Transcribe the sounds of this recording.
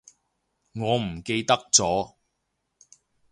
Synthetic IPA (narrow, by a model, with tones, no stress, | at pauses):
ŋɔː˨˧m̩˨˩ke˧jt̪ɐ˥k̚t͡sɔː˨˥